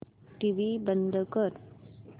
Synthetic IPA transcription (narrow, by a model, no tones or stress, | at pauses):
ʈiʋibənd̪ʱəkəɾ